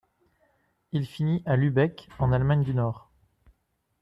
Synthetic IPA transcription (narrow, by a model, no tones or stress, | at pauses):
ilfiniʔalybɛkɑ̃nalmaɲd̪ynɔːʁ